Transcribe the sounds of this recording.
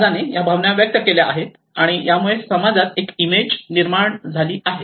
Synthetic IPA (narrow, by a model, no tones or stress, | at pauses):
d͡zanejabʱaʋnjaʋjək̚t̪əkeljaʔa̰ɦet̪ | aɽ̃ijamuɭesəmad͡zat̪ekimed͡ʑniɾmaɳd͡zʱaliːʔaɦet̪